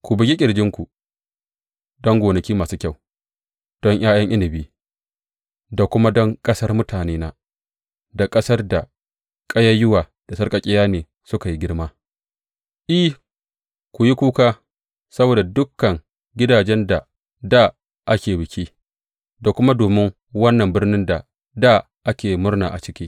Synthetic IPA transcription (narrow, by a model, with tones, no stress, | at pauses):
kʷu˨bɪ˨ɡʲi˦kʲʼɪ˨ɽd͡ʒɪ˦ŋkʷu˨ | dɔ˦ŋɡʷoː˨nɐ˨kʲiː˦maː˨suː˦kʲa˦˨w | d̥ɔ˦ŋj̰aː˦jɐ˦ŋʔɪ˦nɪ˨biː˦ | da˨kʷʊ˦ma˦dɔ˦ŋkʼɐ˦sɐ˦rmʊ˦tʰaː˨neː˦na˦ | da˨kʼɐ˦sɐ˦rda˨ | kʼɐ˦ja˦jʊ˦waː˨ | d̥a˨sɐ˦rkʼɐ˨kʲʼɪ˦jaː˦neː˨ | sʊ˦ka˨ji˦ɡʲɪ˦rmaː˦ | ʔɪ˦h | kʷu˨ji˦kʷuː˦kaː˦ | sɐ˦boː˨da˨dʊ˦kːɐ˨ŋ | ɡʲɪ˦daː˨d͡ʒɛ˦nda˨ | daː˦˨ | ʔa˦kʲeː˨bɪ˨kʲiː˦ | da˨kʷʊ˦ma˦doː˨mɪ˦ŋ | wɐ˦nːɐ˨mbɪ˦rnɪ˦nda˨ | daː˦˨ | ʔa˦kʲeː˨mʊ˦rna̰ː˨ʔa̰˨t͡ʃɪ˦kʲiː˦